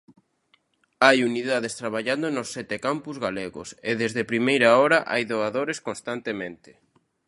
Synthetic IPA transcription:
ajuniðaðest̪ɾaβaʎand̪onosːɛt̪ekampuzɣaleɣʊ̰seðezðepɾimejɾaɔɾaʔajðoaðoɾeskonst̪ant̪emẽnt̪ɪ̥

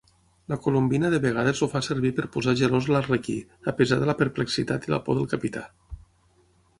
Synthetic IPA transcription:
ləkolumbinəðəβəɣ̞að̞əzoufasəɾβipəɾpuzaʒəɾozlareki | əpəzaðələpəɾpləksit̪at̪ilə̰pɔ̰ðəlˠkapit̪a

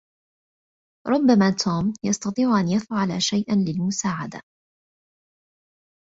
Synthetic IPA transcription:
ɾˤʊbːamaːt̪ʰuːmjɑst̪ɑt̪ˤiːʕʊʔanjafʕalaʃajʔanlɪlmʊsaːʕad̪a̰

